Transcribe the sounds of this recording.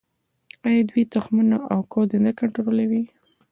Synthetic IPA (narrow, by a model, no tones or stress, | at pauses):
ajad̪wit̪ʊxmənaʔawkʰod̪ənakaɳʈɾoɾolawi